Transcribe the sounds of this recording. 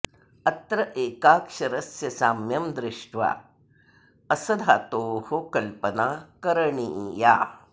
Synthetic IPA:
ɐt̪ɾɐʔeːkaːkʂɐɾɐsjɐsaːmjɐmd̪ɾɪʂʈʋa̰ | ɐsɐd̪ʱaːt̪oːhokɐlpənaːkɐɾəɳija̰ː

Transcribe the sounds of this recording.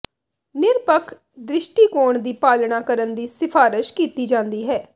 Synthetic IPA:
nɪɾpəkʰ | d̪ɾɪʃʈiːkoːɳd̪iːpaːlɳaːkəɾənd̪iːsɪfʰaːɾɪʃkiːt̪iːd͡ʒãːnd̪iːɦɛː

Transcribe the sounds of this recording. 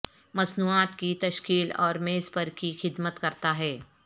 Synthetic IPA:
mɐsnuːaːt̪kit̪ɐʃkiːlɔ̰ːɾmeːzpɐɾkixɪd̪mət̪kɐɾt̪aɦɛː

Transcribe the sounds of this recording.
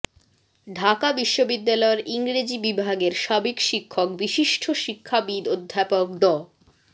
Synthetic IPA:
ɖʱakabiʃːobid̪ːalɔeɾʔiŋɾed͡ʑibibʱaɡeɾʃabekʃikʰːok̚biʃiʃʈʰoʃikʰːabid̪od̪ʱːapok̚d̪ɔ

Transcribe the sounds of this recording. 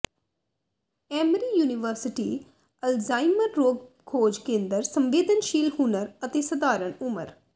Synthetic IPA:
ɛːmɾiːjuːnɪʋəɾsɪʈiː | əlzaːiməɾːoːɡ | kʰoːd͡ʒkẽːnd̪əɾsəmʋeːd̪ənʃiːlhʊnəɾət̪eːsəd̪aːɾəɳʊmə̰ɾ

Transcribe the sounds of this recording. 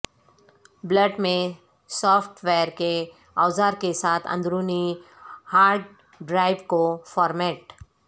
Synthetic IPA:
bləɖmẽ | sɔːpʰʈweːɾke | aːzaːɾkesaːt̪ʰə̰̃nd̪ɾuːni | haːɾɖ | ɖɾaːɪʋkofɔːɾmɛːʈ

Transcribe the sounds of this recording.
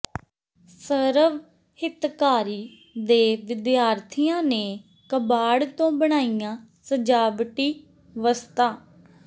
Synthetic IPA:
səɾəʋ | hɪt̪kaːɾiː | d̪eːʋɪd̪jaːɾt̪ʰijãːneː | kəbaːɽt̪õːbəɽ̃aːijãː | səd͡ʒaːbʈiː | ʋəst̪aː

